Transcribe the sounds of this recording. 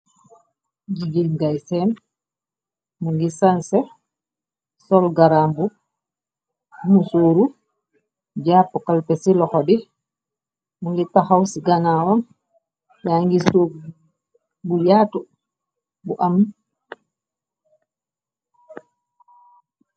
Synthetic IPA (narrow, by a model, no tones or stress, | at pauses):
d͡ʒiɡilɡajsɛn | muŋɡisansɛ | sɔlɡaɾambu | musoːɾu | d͡ʒaːpːɔkalpɛsilɔkɔdi | mulitːahawsiɡanawam | jaŋɡiso | bujatɔ | buʔam